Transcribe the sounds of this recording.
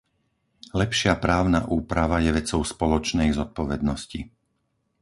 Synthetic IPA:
lɛpʃɪapɾaːʊna̰ʔuːpɾaʋajɛʋɛt͡sɔʊspɔlɔt͡ʃnɛjzɔt̪̚pɔʋɛd̪̚nɔsci

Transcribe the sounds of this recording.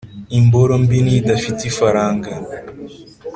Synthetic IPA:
imboɾombinidafitifaɾaːŋɡa

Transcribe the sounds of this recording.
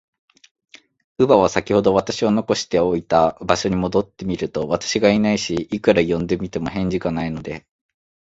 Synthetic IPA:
ɯ̟baβ̞asakʲiho̞d̪o̞βat̪aɕiano̞ko̞ɕi̥t̪e̞o̞it̪abaɕo̞ɲ̟imo̞d̪o̞t̪ːe̞mʲiɾɯ̟t̪o̞βat̪ḁɕiɡainaiɕiikɯ̟ɾajõ̞nd̪e̞mʲit̪e̞mo̞ɦẽ̞ɲ̟d͡ʑikanaino̞d̪e̞

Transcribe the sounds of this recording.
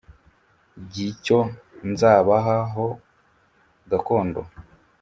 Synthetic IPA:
ɟiconzaːβaɦaɦo | ɡako̞ːndo̰

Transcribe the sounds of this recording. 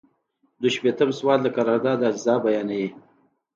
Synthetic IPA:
d̪uʃpet̪əmswɑːt̪lakaɾɑɾd̪ɑd̪azzɑːbajɑːnaji

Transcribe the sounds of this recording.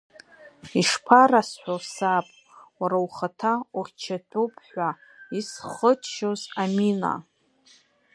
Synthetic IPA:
iʂpʰarasħʷᶣasapʼ | waɾawχatʰauχʲt͡ʃʰatʷʼopʰʼħʷaisχət͡ʃʰʼʃozamina̰

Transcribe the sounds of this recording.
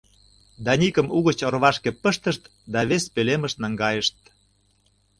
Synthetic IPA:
d̪ɑnʲikəmuɣət͡ɕŏrβɑʃkepəʃt̪əʃt̪ | d̪ɑβespeleməʃt̪nɑŋɡɑjəʃt̪̚

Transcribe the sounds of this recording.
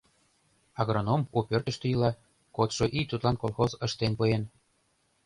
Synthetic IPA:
ɑɣronomupʲørt̪ə̆ʃt̪əjlɑ | kot̪ʃoʔit̪ːut̪lˠɑnkolˠxozəʃt̪enpujen

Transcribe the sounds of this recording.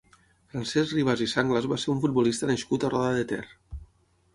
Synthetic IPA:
fɾansɛzriβ̞azisaŋɡləzβaseɾuɱfud̪̚bulist̪ənəʃkut̪arɔðəðət̪ɛ̰r

